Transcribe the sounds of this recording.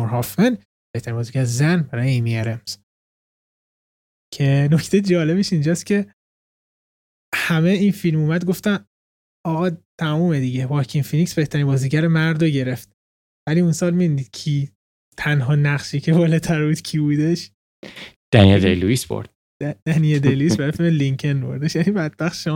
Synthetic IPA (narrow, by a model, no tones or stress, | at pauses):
ɾɦɒːfen | b̥eht̪ʰæɾinbɒːziɟæɾezænbæɾɒːjeemieɾemz̥ | cʰe̞no̞cʰt̪ʰejed͡ʒɒːle̞beʃind͡ʒɒːst̪cʰe̞ | hæme̞infilmuːmæd̪̚ɡo̞ft̪æn | ɒːɣɒːt̪ʰæmuːmed̪iɟevɒkʰinfiniksb̥e̞ht̪ʰæɾinbɒːziːɟæɾemæɾd̪oɟe̞ɾe̞ft̪̚ | væliːunsɒːlmid̪uniːd̪̥̚kʰiː | t̪ʰænɦɒːnæʁʃiːcʰe̞vɒːlɛt̪ʰæɾbuːd̪cʰibuːd̪e̞ʃ | d̪̥æ̰nied̪ḛjluisb̥o̰ɾd̪̥ | d̪̥ænijed̪ejluisbæɾefilmeliŋcʰenbo̞̰ɾd̪eʃjænibæd̪̚bæχʃɒ